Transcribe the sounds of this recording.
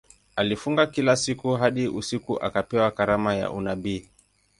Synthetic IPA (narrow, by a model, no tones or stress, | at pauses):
alifuŋɡakilasikuɦaɗiʔusikuʔa̰kapɛwakaɾamaja̰ʔṵnaɓiː